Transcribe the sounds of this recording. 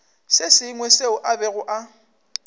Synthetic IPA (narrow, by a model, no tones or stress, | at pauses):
sɪsɪŋwɛseʊʔabɛɣʊʔa